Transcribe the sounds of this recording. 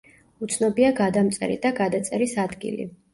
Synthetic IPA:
ut̪sʰnɔbiaɡad̪amt̪sʼɛ̰ɾḭd̪aɡad̪at̪sʼɛɾisad̪ɡḭlḭ

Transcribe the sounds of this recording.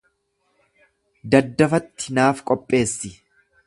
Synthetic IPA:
d̪ɐd̪ːɐfɐt̪ːɪnaːfkʼɔpʼːe̞ːsːɪ

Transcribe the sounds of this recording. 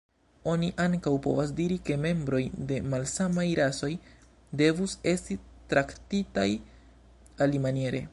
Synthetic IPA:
o̞niʔaŋkawpo̞̰vas̬diɾike̞me̞mbɾo̞jde̞malsamajɾʔaso̞j | de̞vuse̞stitɾaktitaj | alimanije̞ɾe̞̰

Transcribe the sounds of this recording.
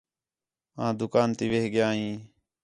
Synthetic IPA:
ãːd̪ʊkaːnt̪iːʋeːɦɡjãːɦĩː

